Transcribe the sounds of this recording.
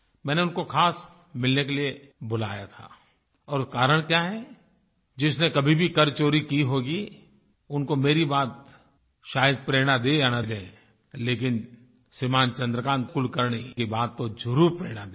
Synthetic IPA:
mɛ̃ːneʊnkoxʰaːs | mɪlnekelie | bʊla̰ːjat̪ʰa̰ː | ɔːɾkaːɾəɽ̃kjaːɦɛ | d͡ʒɪsnekɐbʱibʱikɐɾt͡ʃoːɾikiɦoːɡi | ʊnkomeːɾibaːt̪ | ʃaːjəd̪̚pɾeːɽ̃ad̪eanad̪ẽː | leːkɪn | simaːnt͡ʃɐ̃nd̪ɾəkãːnt̪̚kʊlkəɾɳekibaːt̪ːod͡ʒʊɾuːɾpɾeːɽ̃ad̪

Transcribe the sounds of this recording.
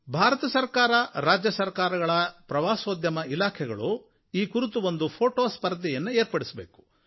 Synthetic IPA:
bʱaːɾɐt̪ɐsɐɾkaːɾɐɾaːd͡ʒjɐsɐɾkaːɾɐɡɐɭɐpɾɐʋaːsoːd̪jɐmɐilaːkʰɛɡɐ̰ɭu | iːkuɾut̪uʋo̞nd̪upʰoːʈoːspɐɾd̪ʱɛjɐnːueːɾpɐɽisbeːku̥

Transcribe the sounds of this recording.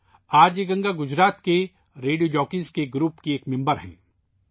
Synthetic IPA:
aːɾd͡ʒeɡɐ̃ŋɡaɡʊd͡ʒɾaːt̪ke | ɾeːɖijod͡ʒɔːkɪ̃skeɡɾuːpkieːkmɪ̃mbəɾɦɛ̰̃ː

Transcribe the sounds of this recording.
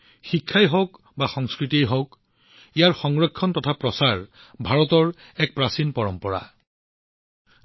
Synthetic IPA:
xikʰːajɦɔk | baxɔŋskɹitiejɦɔk | ijaɹxɔŋɹɔkʰːɔntɔtʰapɹɔsaɹ | bʱaɹɔtɔɹ | ɛk̚pɹasinpɔɹɔmpɔɹa̰

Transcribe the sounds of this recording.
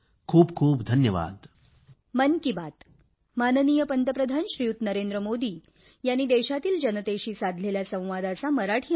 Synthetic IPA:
kʰuːbkʰuːpd̪ʱənjəʋa̰ːd̪ | mənkibat̪ | manənijəpənt̪əpɾəd̪ʱanɕɾijut̪nəɾend̪ɾəmod̪iː | janːiːd̪eɕat̪iːld͡ʑənət̪eɕiːsad̪ʱleljasə̃w̃ʋad̪asaməɾaʈʰiː

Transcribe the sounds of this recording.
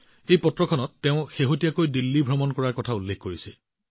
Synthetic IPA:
ejpɔtɹɔkʰɔnɔtːeʊ̃xeɦotijakojdilːibʱɹɔmɔnkɔɹaɹkɔtʰaulːekʰkoɹisɛ

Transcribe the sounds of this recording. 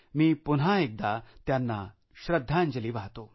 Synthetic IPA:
miːpun̤ɦaek̚d̪at̪janːa | ɕɾəd̪ʱːaɲd͡ʑəliːʋaɦt̪o

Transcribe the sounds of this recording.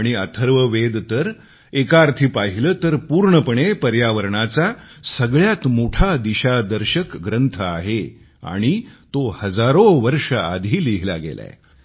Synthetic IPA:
ɽ̃iət̪ʰəɾʋəʋed̪t̪əɾ | ekaɾt̪ʰipaɦiləːt̪əɾpuːɾɳəpəɳ̃epəɾjaʋəɾɳat͡sasəɡɭjat̪moʈʰad̪iɕad̪əɾɕəkɡɾənt̪ʰəa̰ɦe | a̰ɽ̃it̪ohəd͡zaɾoʋəɾʂəa̰d̪ʱiːliɦla̰ɡḛla̰ḛ

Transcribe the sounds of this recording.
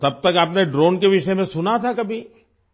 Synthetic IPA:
t̪ɐb̚t̪ɐkaːpneɖɾoːnkeʋɪʃəmẽsʊnat̪ʰakɐbʱi

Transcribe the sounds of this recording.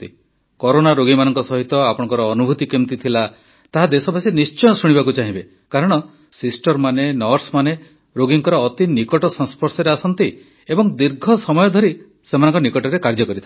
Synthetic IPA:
t̪i | kɔɾonaɾoɡimanɔŋkɔsɔɦit̪ɔapɔɽ̃ɔŋkɔɾɔːnubʱut̪ikimt̪it̪ʰila | t̪aɦad̪esɔbasinist͡ʃɔj̃ɔsuɽ̃iβakut͡ʃaɦĩbe | kaɾɔɽ̃ɔ | sisʈɔɾmanenɔɾsmane | ɾoɡiŋkɔɾɔːt̪inikɔʈɔsɔŋspʰɔɾsɔɾeasɔnt̪i | ebɔŋd̪iɾɡʱɔsɔmɔjɔd̪ʱɔɾi | semanɔŋkɔnikɔʈɔɾekaɾd͡ʒɔkɔɾit̪ʰ

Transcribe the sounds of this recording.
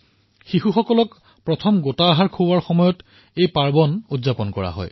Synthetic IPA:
xiɦuxɔkɔlɔk | pɹɔtʰɔmɡotaːɦaɹkʰoaɹxɔmɔjɔt | ejpaɹbɔnudzapɔnkɔɹa̰ɦɔ̰j

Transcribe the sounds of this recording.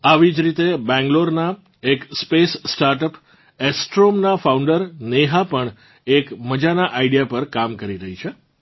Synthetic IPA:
aʋid͡ʒɾit̪ebɛ̃ŋɡloɾna | ekspessʈaɾʈəp | ɛsʈɾomnafauɳɖəɾneɦapəɳ | ekməd͡ʒanaʔaiɽijapəɾkamkəɾiɾəɦit͡ʃʰe

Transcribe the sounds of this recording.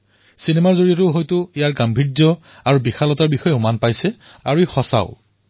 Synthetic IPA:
sinemaɹzoɹijɔtʊɦojtʊijaɹɡambʱidɔ | aɹubixʰalɔtaɹbixɔjɛʊmanpajsɛ | a̰ɹuixɔsa̰ʊ̰

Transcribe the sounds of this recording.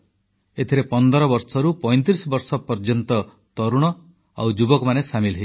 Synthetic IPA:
et̪ʰiɾepɔnd̪ɔɾɔbɔɾsɔɾupɔj̃nt̪̬ɾisɔbɔɾsɔpɔɾd͡ʒɔnt̪ɔ | t̪ɔɾuɽ̃ɔ | a̰wd͡ʒubɔkɔmanesamilɦe

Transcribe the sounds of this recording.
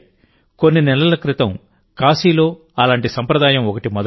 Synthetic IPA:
konːinɛlɐlɐkɾɪt̪ɐm | kaːsiːlo̞ː | ɐlaːɳʈisɐmpɾɐd̪aːjɐmɔkɐʈimɔd̪

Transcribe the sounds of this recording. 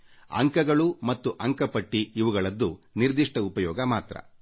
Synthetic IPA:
ɐ̰ŋkɐɡɐɭumɐt̪ːuʔɐŋkɐpɐʈːiːiʋuɡɐɭɐd̪ːuniɾd̪iʂʈɐupɐjɔːɡɐmaːt̪ɾɐ̰

